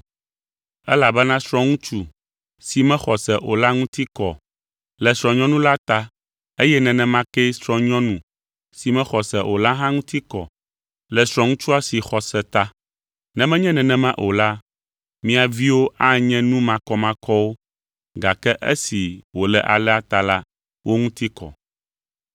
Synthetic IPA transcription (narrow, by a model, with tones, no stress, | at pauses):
ɛ˦la˨bɛ˦nã˦sɾ̃ɔ̃˦ŋũ˦t͡ʃu˦ | si˨mɛ̃˦xɔ˨sɛ˨ʔo˨la˦ŋũ˦t̪i˦kɔ̰˨ | lɛ˨sɾɔ̃˨ɲɔ̃˦nũ˦la˦t̪a˦ | e˦jɛ˦nɛ̃˨nɛ̃˨mã˦kɛ˦sɾɔ̃˨ɲɔ̃˦nũ˨ | si˨mɛ̃˦xɔ˨sɛ˨ʔo˨la˦ɦã˦ŋũ˦t̪ʰi˦kɔ̰˨ | lɛ˨sɾɔ̃˨ŋũ˦t͡ʃu˦a˦si˨xɔ˨sɛ˨t̪a˦ | nɛ̃˦mɛ̃˦ɲɛ̃˦nɛ̃˨nɛ̃˨mã˦ʔo˨la˦ | mĩ˦a˨vi˦wo˦ʔa˦ɲɛ̃˦nũ˦mã˨kɔ˦mã˦kʰɔ˦wo˦ | ɡa˨kɛ˦ʔḛ˦si˨wo˨lɛ̰˨ʔa̰˨lɛ˦a˦t̪a˨la˦ | wʔo˦ŋũ˦t̪i˦kɔ̰˨